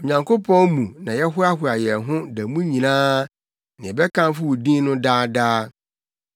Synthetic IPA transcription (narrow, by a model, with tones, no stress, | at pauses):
o˨ɲã˨ŋkʰo˦pʰɔ̃˦nmũ˨nã˨jɛ˦ɦʊ˦a˦ɦʊ˨a˨jɛ˨ɦʊ̃˦dæ˨mũ˦ɲĩ˨nãː˦ | nɪ̃˨ɛ˨bɛ˦kʰã˦n˦fʊ˦wu˨dĩ˦nnʊ̃˦daː˦daː˦